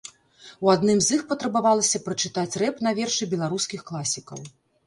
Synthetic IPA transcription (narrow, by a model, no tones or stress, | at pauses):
uad̪nɨmzixpɐt̪ɾɐbavalˠɐsʲɐpɾɐt͡ʂɨt̪at͡sʲrɛpnɐvʲɛrʂɨbʲɛlˠaɾuskʲixklˠasʲikɐ̰w